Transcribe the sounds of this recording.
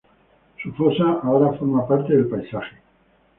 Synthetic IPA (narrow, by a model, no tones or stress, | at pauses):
sufo̞saaoɾafo̞ɾmapaɾt̪e̞ðelpajsaxe